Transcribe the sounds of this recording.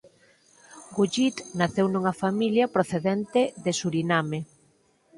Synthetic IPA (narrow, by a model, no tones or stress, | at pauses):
ɡuʎit̪naθewnuŋɐfamiljɐpɾoθeðent̪ɪðɪsuɾiname